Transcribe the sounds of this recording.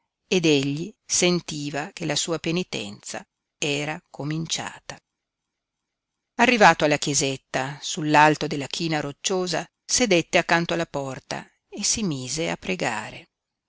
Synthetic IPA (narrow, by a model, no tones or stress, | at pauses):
ed̪eʎːisent̪iːvak̟elasuːapenit̪ɛ̰nt̪sa̰ | ɛːɾakomint͡ʃa̰ːt̪a | arːivaːt̪oalːakjezet̪ːasulːalt̪od̪elːak̟ʰiːnaɾot͡ʃːoːza̰ | sed̪et̪ːeakːant̪oalːapɔrt̪a̰ | esimiːzea̰pːɾeɡa̰ːɾe